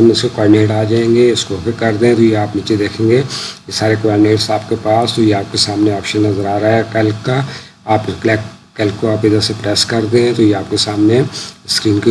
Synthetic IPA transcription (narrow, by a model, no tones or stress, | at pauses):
ɐmɪskokɔːneːʈaːd͡ʒaːẽːŋɡeɪskofʰɪkɐɾd̪eɛ̃t̪ojeaːpniːt͡ʃed̪eːkʰẽːŋɡeesaːɾekʋaːɾneːʈsaːpkepaːst̪ojeaːp̚kesaːmneɔːpʃənːɐzəɾaːɾaːɦɛkɛlkːa | aːpklɛːkː | ɛlkkːoaːpɪd̪əsepɾɛːskɐɾd̪ẽɛ̃t̪ojeaːpkesaːmneskɾiːnki